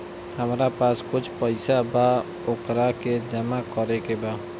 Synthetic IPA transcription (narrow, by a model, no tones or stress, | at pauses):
həmɾapaːskʊt͡ʃʰpəɪsabaː | ʊkɾaked͡ʒəmakɔɾekebaː